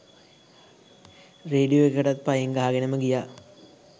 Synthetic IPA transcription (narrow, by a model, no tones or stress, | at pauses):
reːɖijoekːɐʈɐt̪̚pɐjeŋɡaɦaɡenɐməɡijaː